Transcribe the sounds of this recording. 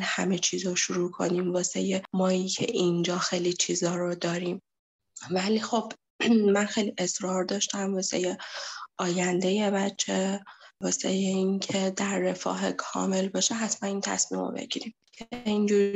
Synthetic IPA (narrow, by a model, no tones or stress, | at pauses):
lhæ̰met͡ʃʰiːzoʃuɾuːkʰo̞̰niːmvɒːsḛjemɒːicʰḛʔind͡ʒɒːxejlit͡ʃʰiːzɒːɾod̪ɒːɾim | væliːxo̞b̥ | mænxejliʔe̞sɾɒːɾd̪ɒːʃt̪æmvɒːse̞̰jeʔɒːjænd̪e̞jebætt͡ʃʰːevɒːsḛjeincʰe̞d̪æɾːe̞fɒ̰ːɦekʰɒ̰ːme̞lbɒːʃeɦat̪ʰmæniːnt̪ʰæ̰smḭːmo̰bḛɟ̥ḭɾimcʰeind͡ʒuːɾ